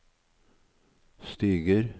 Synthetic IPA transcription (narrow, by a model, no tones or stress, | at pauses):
st̪iːɡəɾ